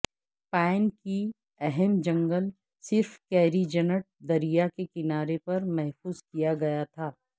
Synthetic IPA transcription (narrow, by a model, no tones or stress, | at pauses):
pɛ̃ːɪnki | ɛɦɛmd͡ʒɐ̃ŋɡəl | sɪɾfkɛːɾid͡ʒɐnəʈ̚d̪ɐɾijakekɪnaːɾepɐɾmɛɦfuːzkijaɡɐjat̪ʰaː